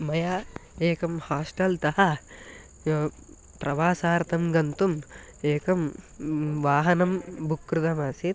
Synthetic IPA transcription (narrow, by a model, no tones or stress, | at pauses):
mɐjaːeːkɐmhaːsʈɐlt̪ɐɦɐ | joː | pɾʔɐʋaːsaːɾt̪ɐmɡɐnt̪um | eːkɐm | ʋaːɦɐnɐmbʱukɾud̪ɐmaːsi